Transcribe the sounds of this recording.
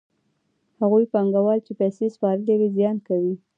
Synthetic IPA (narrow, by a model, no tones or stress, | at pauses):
haɣujpaŋɡawɑlt͡ʃepajsespɑɾəlewizjɑnkawi